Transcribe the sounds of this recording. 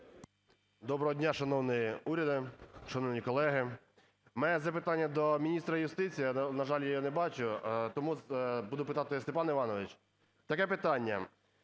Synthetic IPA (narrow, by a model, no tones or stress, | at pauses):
d̪ɔbɾɔɦɔdʲnʲaʃɐnɔwnɪjiuɾʲɐd̪ɪʃɐnɔwnʲikɔlˠɛɦɪ | mɛɛzɐpɪt̪ɑnʲːɐd̪ɔmʲinʲist̪ɾɐjʊst̪ɪt͡sʲijnɐʒɑlʲjajanɛbɑt͡ʃʊt̪ɔmubud̪ʊpɪt̪ɑt̪ɪst̪epɑnɪʋɑnɔʋɪt͡ʃ | t̪ɐkɛpɪt̪ɑnʲːɐ